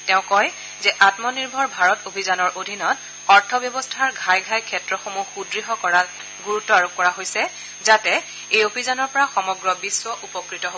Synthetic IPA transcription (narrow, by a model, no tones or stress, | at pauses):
tɛʊ̃kɔj | zɛʔatmɔniɹbʱɔɹbʱaɹɔtobʱizanɔɹʔodʱinɔt | ɔɹtʰɔbjɔbɔstʰaɹɡʱajɡʱajkʰɛtɹɔxomuxudɹiɦɔkɔɹa | ɡuɹutːɔaɹukːɔɹaɦojsɛ | zatɛ | ejobʱizanɔɹpɔɹaxɔmɔɡɹɔbiswɔʔupɔkɹitɔɦo